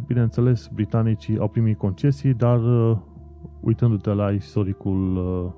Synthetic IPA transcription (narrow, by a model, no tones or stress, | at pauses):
binent̪se̞le̞sbɾit̪anit͡ʃia̰wpɾimit̪̚ko̞nt͡ʃe̞sijd̪ar | ṵjt̪ɨnd̪ut̪elaist̪o̞ɾikul